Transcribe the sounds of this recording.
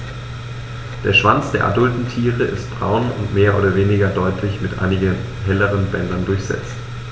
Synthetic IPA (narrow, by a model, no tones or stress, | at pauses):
d̥eːɐʃv̥ant͡sd̥eːɐʔa̰dʊltn̩tʰiːʁəʔɪst̚b̥ʁa̰ʊnʊ̰ntmeːɐʔoːɾɐveːnɪɡɐdɔʏtʰlɪçmɪtʔa̰ɪnɪɡən | ɦɛləʁənbɛndɐndʊɐçz̥ɛ̰t͡st